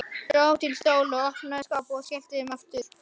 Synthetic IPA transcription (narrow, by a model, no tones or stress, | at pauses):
ɾot̪ʰɪlst̪oːwlɔɔhpnaðskaːpɔskɛl̥t̪ɪðʏmaft̪ʏɾ̥